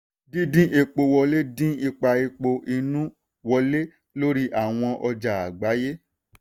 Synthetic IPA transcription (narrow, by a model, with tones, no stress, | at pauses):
dĩ˦dĩ˦ʔe˧k͡po˧wɔ˧le˦dĩ˦i˧k͡pa˧e˧k͡po˧ʔi˧nũ˦ | wɔ˧le˦ | lo˦ɾi˦ʔa˨w̃ɔ̃˧ʔɔ˧d͡ʒa˨a˨ɡ͡ba˨˦je˦